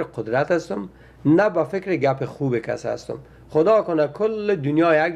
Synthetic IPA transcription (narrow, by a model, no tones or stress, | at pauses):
ɾɪqʊd̪ɾat̪ast̪ʊm | nabafɪkɾɪɡapɪxubɪka̰sa̰st̪ʊ̰m | χʊd̪ɒːkʊnakʰʊlːɪd̪ʊnjɒːjaɡ